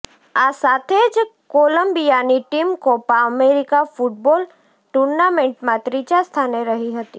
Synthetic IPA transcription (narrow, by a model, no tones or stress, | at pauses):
aːsaːt̪ʰeːd͡ʒkoːlə̃mbijaːniʈiːmkopaəmeːɾɪkafʊʈ̚bɔːl | ʈuːɾnaːmẽɳʈmãt̪ɾiːt͡ʃast̪ʰaːnẽɾɐɦiɦɐt̪iː